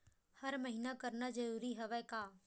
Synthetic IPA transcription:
hɐɾmɐɦinakɐɾnad͡ʒɐɾuːɾiɦɛʋɛkaː

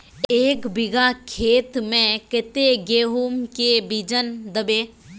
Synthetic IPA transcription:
eːkbɪɡakʰeːt̪mẽkɪt̪eɡeːɦuːmkebid͡ʒənd̪əbeː

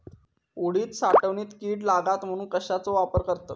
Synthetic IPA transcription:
uɽiːt̪saʈəʋɳiːt̪kiːɽlaɡat̪m̤əɽ̃uːnkəɕat͡soʋapəɾkəɾt̪ə

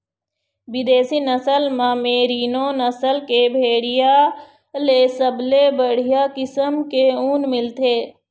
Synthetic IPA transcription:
bɪd̪eːsinəsəlmãːmeːɾiːnõnəsəlkebʱeːɽija | leːsəblebəɽ̤ijakɪsəmkeuːnmɪlt̪ʰeː

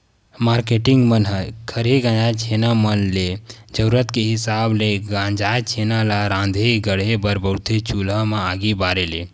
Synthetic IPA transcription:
maːɾkeʈĩŋɡmənɦəkʰəɾeɡãːd͡ʒaːt͡ʃʰenamənle | d͡ʒəɾuɾət̪keɦɪsaːbleɡãːd͡ʒat͡ʃʰenalaɾãːnd̪ʱeɡəɽebəɾbəwt̪ʰet͡ʃuləmãaːɡibaːɾele

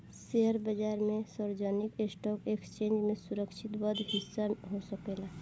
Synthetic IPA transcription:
seɦəɾbəd͡ʒaːɾmẽsəɾd͡ʒənikesʈɔkekst͡ʃẽːnd͡ʒmẽsuɾəksʰit̪bəd̪ɦisːaɦosəkela

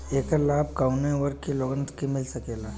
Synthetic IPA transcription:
eːkalaːb̚kaʊnẽʋəɾkːeloːɡənskimɪlsɐkeːla

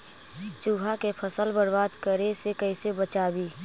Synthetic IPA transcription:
t͡ʃuːɦakepʰəsəlbəɽbaːd̪kəɾesekəɪsebət͡ʃaːbiː

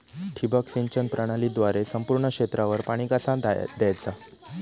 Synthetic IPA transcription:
ʈʰibəksĩɲt͡ɕənpɾəɽ̃aliːd̪ʋaɾesəmpuɾɳəkɕet̪ɾaʋəɾpaɽ̃ikasãd̪jajt͡sa

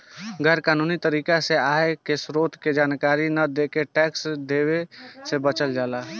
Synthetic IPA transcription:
ɡʱəɾkaːnuːnit̪əɾiːkaseaːekesɾoːt̪ʰked͡ʒaːnkaːɾinəd̪ekeʈɛːksd̪eːwesebət͡ʃəld͡ʒaːlaː

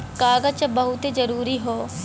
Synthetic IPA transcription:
kaːɡət͡ʃbɐɦʊt̪ed͡ʒəɾuːɾiɦoː

